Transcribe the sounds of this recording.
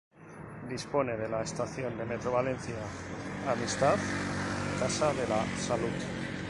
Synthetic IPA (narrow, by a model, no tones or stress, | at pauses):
d̪ispo̞ne̞ð̞e̞laest̪aθio̞nd̪e̞me̞t̪ɾo̞βale̞nθiaːmist̪aðkasaðe̞lasalut̪